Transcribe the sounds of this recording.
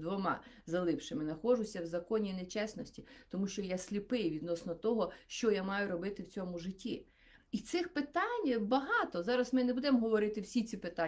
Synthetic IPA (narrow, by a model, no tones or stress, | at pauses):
d̪ʋɔmɑ̰zɐlˠɪpʃɪmɪnɐxɔʒʊsʲɐwzɐkɔnʲinet͡ʃɛsnɔsʲtʲit̪ɔmuʃt͡ʃɔjasʲlʲipɪjʋʲid̪nɔsnɔt̪ɔɦɔʃt͡ʃɔjamɑjʊɾɔbɪt̪ɪwt͡sʲɔmʊʒɪtʲːḭ | it̪sɪxpɪt̪ɑnʲbɐɦɑt̪ɔzɑɾɐsmɪnebud̪ɛmɦɔʋɔɾɪt̪ɪwsʲit͡sʲipɪt̪a